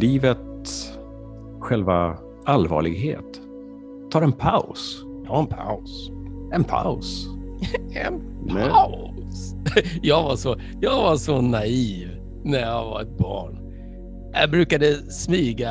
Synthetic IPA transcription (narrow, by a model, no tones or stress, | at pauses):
liːvət̪ | ɧɛlva | alvɑ̰ːɭɪɡɦḛːt̪ | t̪ʰːɑːɾɛnpʰaʊs | t̪ʰɑːɾɛnpʰa̰ʊsɛnpʰa̰ʊs | ɛn | pʰmɛas | jɑːɡvaʂɔ | jɑɡvaʂɔnaiːv | næɾjaɡva̰ɾɛt̪̚bɑ̰ːɳ | jɑbɾʉ̟ːkad̪əsmiːɡa